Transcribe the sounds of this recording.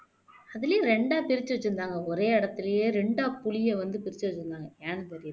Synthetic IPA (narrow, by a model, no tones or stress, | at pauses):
ɐðɪljeːɾɛɳɖaːpɪɾɪt͡ʃːɯʋɐt͡ʃːɯɾɯnd̪aːŋɡɐɔɾeːɪɽɐt̪ːɪlɐjeːɾɛɳɖaːpʊɭɪjɐʋɐnd̪ɯpɪɾɪt͡ʃːɯʋɐt͡ʃːɯɾɯnd̪aːŋɡɐaːnɯpɐɾɪjɾ